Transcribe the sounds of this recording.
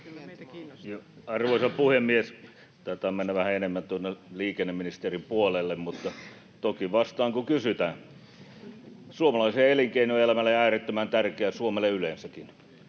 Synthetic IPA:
jo | ɑrʋoisɑpuhemːies | t̪ɑːt̪ɑːmenːæʋæhæenemːænt̪uonːeliːkenːeminist̪erimpuolelːemmut̪ːɑ | t̪okiʋɑst̪ɑːŋkukysyt̪æ | suomɑlɑiseeliŋkeinuelæmælːeæːret̪ːømænt̪ærkeæsuomeleyleˑnsækin

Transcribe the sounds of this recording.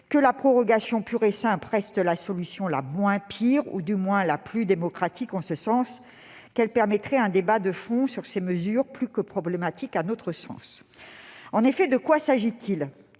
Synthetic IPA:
kəlapχɔʁɔɡasjɔ̃pyʁesɛ̃pʁɛst̪lasɔlysjɔ̃la̰mwɛ̃pʰiʁṵd̪ymwɛ̃laplyd̪emɔkχat̪ikɑ̃səsɑ̃s | kɛlpɛʁmɛt̪χɛɛ̃d̪ebad̪əfɔ̃syʁseməzyʁplykəpχɔblemat̪ʰikanot̪χəsɑ̰̃s | ɑ̃nefɛd̪əkwasaʒit̪ʰil

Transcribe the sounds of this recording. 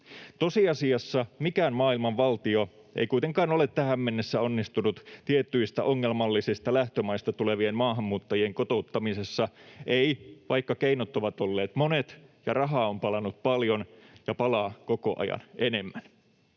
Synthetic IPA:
t̪o̞siɑsiɑsːɑmikæːnmɑːilmɑʋʋɑlt̪io | ʔḛjkuit̪eŋkɑːno̞le̞t̪t̪æhæmːe̞nːesːæo̞nːist̪unut̪t̪iet̪ːyist̪æ̰ʔoŋːelmɑlːisist̪ɑlæht̪ømɑjst̪ɑt̪ule̞ʋiemmɑːɦɑmːuːt̪ːɑjie̞ŋkot̪out̪ːɑmise̞sːɑʔeiʋɑjkːɑkeinot̪oʋɑt̪o̞lːeːt̪mone̞t̪jɑrɑɦɑːompɑlɑnut̪̚pɑljo̞njɑpɑlɑːko̞ko̞ʔɑ̰jɑ̰nʔe̞ne̞mːæn

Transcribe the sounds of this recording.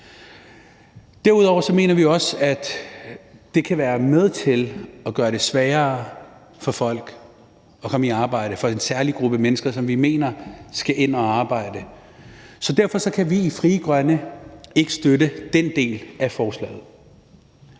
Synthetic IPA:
d̥æɐuðˠɒ̰ʊ̰ɐsɒ̽me̝̰ːnɐʋiɒ̽sæd̥ | d̥e̝kʰæʋæːɐmeð̞ˠt͡sʰe̝lɒ̽ɡ̥ɶːɐɾ̥e̝sʋɛːɐː | fɒ̽fɒ̽l̰ɡ̥ | ɒ̽kʰɒ̽məiɑ̈ːb̥ɑ̈ɪ̰ɾ̥əfɒ̽e̝nsæɐliɡ̥ʁub̥əæmenəsɡ̥ɐsɒ̽mʋime̝̰ːnɐsɡ̥æʔe̝n̰ɒɑ̈ːb̥ɑ̈ɪ̰d̥ə | sɒ̽d̥æɐfɒ̽sɒ̽kʰæʋiːfʁiːəɡ̥ʁɶnəe̝ɡ̥əsd̥øɾəd̥en̰d̥e̝̰ːlæfɒːslɛ̰ːð̞̩ˠ

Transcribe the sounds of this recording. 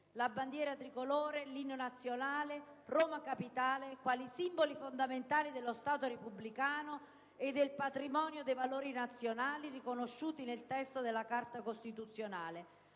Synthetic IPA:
labːand̪jɛːɾat̪ɾikolɔːɾelinːonat̪sːjonaːleroːmakapit̪aːlekwaːlisimbolifond̪ament̪aːlid̪elːost̪aːt̪oɾepubːlikaːno | ed̪ːelpat̪ɾimɔːnjod̪ejvaloːɾinat̪sːjonaːlirikonoʃːuːt̪inelt̪ɛst̪od̪elːakart̪akost̪it̪ut̪sːjonaːle

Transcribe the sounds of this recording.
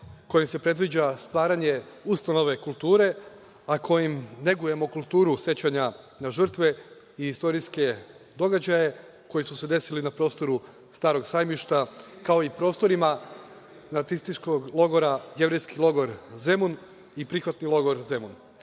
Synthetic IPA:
ko̞jimse̞pɾe̞d̪ʋid͡ʑast̪ʋaːɾaɲe̞ust̪ano̞ʋe̞kulˠt̪uːɾe̞ | akʰo̞jimne̞ɡuje̞mo̞kulˠt̪uːɾusje̞t͡ɕaɲa | naʒr̩t̪ʋe̞ | iist̪o̞ɾiske̞ | d̪o̞ɡad͡ʑaje̞ | ko̞jisuse̞d̪e̞silinapɾo̞st̪o̞ɾu | st̪aːɾo̞ɡsaːjmiʃt̪akao̞ipɾo̞ːst̪o̞ɾima | nat̪sist̪it͡ʃko̞ɡlˠo̞ɡo̞ɾaje̞ʋɾe̞jskilˠo̞ɡo̞ɾze̞mun | ipɾixʋat̪nilˠo̞ɡo̞ɾze̞mun

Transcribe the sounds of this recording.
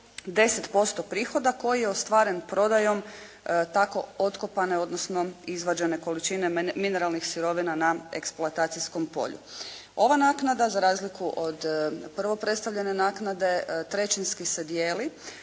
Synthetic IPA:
d̪e̞set̪po̞st̪opɾiːxo̞d̪ako̞jijeo̞st̪ʋaːɾe̞npɾo̞d̪ajo̞m | t̪ako̞̰ot̪kopane̞o̞d̪nosno̞izʋad͡ʒe̞ne̞ko̞lit͡ʃine̞mine̞ɾalˠnixsiɾo̞ʋinanae̞̰kspluat̪aːt̪sisko̞mpo̞̰ʎṵo̞ʋanaːknad̪azaɾaːzlikuʔod̪pr̩ʋo̞pɾe̞t̪st̪aʋʎe̞ne̞naːknad̪e̞t̪ɾe̞t͡ʃinskise̞d̪jeːli

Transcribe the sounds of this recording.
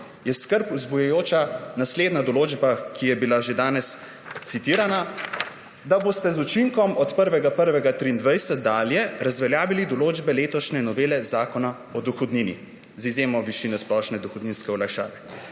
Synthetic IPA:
jɛskəɾpuzbujɛjoːt͡ʃanasleːd̪nad̪ɔloːd͡ʒbakijɛbilaʒed̪aːnɛs | t̪sit̪iːɾana | d̪aboːst̪ɛzut͡ʃiŋkɔmɔt̪pəɾʋɛɡapəɾʋɛɡat̪ɾiːnd̪ʋajsɛt̪̚d̪aːljɛɾazʋɛljaːʋilid̪ɔloːd͡ʒbɛleːt̪ɔʃnɛnɔʋeːlɛzaːkɔna | ɔd̪ɔxɔd̪ninḭ | zizjeːmɔʋiʃiːnɛsplɔʃnɛd̪ɔxɔd̪niːnskɛɔlajʃa̰ːʋɛ

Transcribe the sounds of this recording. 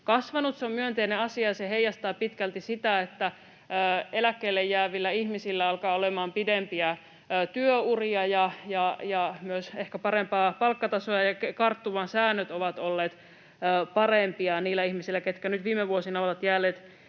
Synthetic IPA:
kɑsʋɑnut̪sommyønt̪eineɑsiɑjsehejɑst̪ɑːpit̪kælt̪isit̪æet̪ːæː | elækːeilːejːæːʋilːæihmisilːæɑlkɑːolemɑːmpidempiæː | t̪yøuriɑjɑjɑjɑmyøsehkæpɑɾempɑːpɑlkːɑt̪ɑsoɑjɑkekɑrt̪ːuʋɑnsæːnːøt̪oʋɑt̪olːeːt̪ː | pɑrempiɑniːlːˑæihmisilːæket̪kænyt̪ʋiːmːeʋuosinɑoʋɑt̪jæːlːˑeːt̪

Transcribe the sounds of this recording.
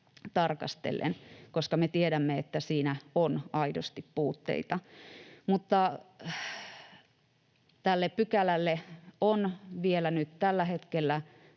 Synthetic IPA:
t̪ɑrkɑ̰st̪ḛlːḛnkoskɑmet̪ieɾæmːeet̪ːæsiːnæonɑidost̪ippuːt̪ːḛit̪ɑmut̪ːɑ | t̪ælːeppykælælːeonʋielænyt̪t̪ælːæhet̪kelːæ

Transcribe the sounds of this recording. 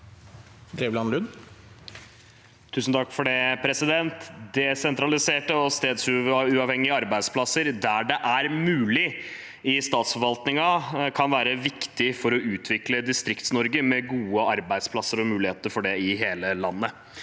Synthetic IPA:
d̪ɾeʋlɑnlʉn | t̪ʰʉːsn̩t̪ʰɑkːfɔɖɛpʰɾɛsɪd̪ɛnt̪d̪ɛsɛnt̪ɾɑlɪseːʈəɔst̪eːd̪sʉʉːɑːʋhɛŋːɪəɑɾbæɪd̪spʰlɑsəɾd̪æɖɛʔæɾmʉːlɪ | ɪst̪ɑːt̪sfɔɾʋɑlt̪nɪŋɑkʰɑnʋæːɾəʋɪkt̪ɪfɔɾɔʉːt̪ʰʋɪkləd̪ɪst̪ɾɪkt̪snɔɾɡəmɛɡuːəɑɾbæɪspʰlɑsːəɾɔmʉːlɪheːt̪əɾfɔɖɛɪɦeːləlɑnːə

